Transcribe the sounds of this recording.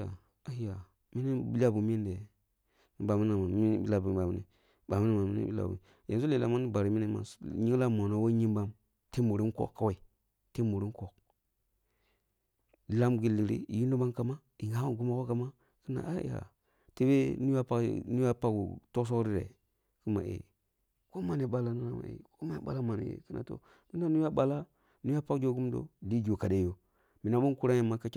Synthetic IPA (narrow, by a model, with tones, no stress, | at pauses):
a˨ | a˨˦ja˨ | mi˦ni˦bi˦la˦bu˨m˦i˦nde˨ | ni˨˦ba˨mi˦na˨ma˨˦i˦n˦bi˦la˦˨bu˨a˨mi˦nḭ˨ | ba˨mi˦ni˦ma˨mḭ˦nḭ˦bi˦la̰˨bṵ˨ | ja˨s̬u˦le˨la˨ma˦ni˦ba˨ɾi˨mi˦ni˦ma̰˨ɲi˦ŋ˦la˦mo˨no˨˦wo˦ɲi˦mba˦m | te˦mu˨ɾi˦ko̰˦˨kːa˦we˨i˨ | te˦mu˨ɾi˦ko˨k̚ | la˦mɡi˨lːi˨ɾḭ˦ḭ˨ji˦no˦ba˦nka˦ma˦ | i˨ŋa˦a˦˨ɡu˦ma˦ko˦ka˨ma˦ | ki˦na̰˨ʔa˦ḭ˨a̰˨ | ti˦be˦ni˦a˦pa̰˦ni˦ja˦pa˦ɡṵ˨to˦s̬o˦ɾi˦ɾḛ˨ | ki˦ma̰˨ʔḛ˨ | ko˦ma˦ne˨ɓa˦la˨na˦na˦˨ma̰˨ḛ˨ko˦ma˦a̰˨ɓa̰˦la˦ma˨n̰˨ḛ˨ki˦na̰˨to̰˦ | mi˦na˦nu˦a˦ɓa˨la˦ | nu˦a˦pa˦kd͡ʒo˦˨ɡu˦mdo̰˦˨di˦d͡ʒo˨ka˨de˦jo˦ | mi˨na˦bo˦ku˦ɾa˦a˨ma˦ka˦t͡ʃ